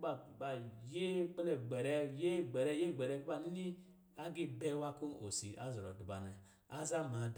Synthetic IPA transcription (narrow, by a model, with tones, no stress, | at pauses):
ba˨ba˨je˦k͡pe˦ne˨ɡ͡be˨ɾɛ˦je˦˨ɡ͡be˨ɾɛ˦je˦˨ɡ͡be˨ɾɛ˦ɡi˦ba˦n˦ni˦ | a˦ɡi˦be˦wa˦ku˦no̰˨si˨ʔa̰˦zɾo˨du˨ba˨ne˨ | a˦za˦ma˨d